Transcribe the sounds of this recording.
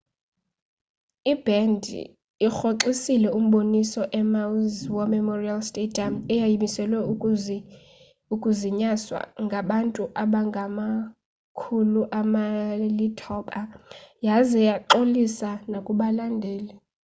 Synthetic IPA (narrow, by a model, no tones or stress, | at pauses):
ib̥ɛndʱ | ixoǁisilɛum̩ɓonisɔʔɛmawzwɔmɛmɔrialstʼedʱʼiamɛjajimisɛlwɛ | ukʼuziɲaswa̰ŋɡʱaɓantʼuʔaɓaŋɡʱama | kʰuluʔamalitʰɔɓʼajazɛjaǃolisanakʼuɓalandʱɛːlɛ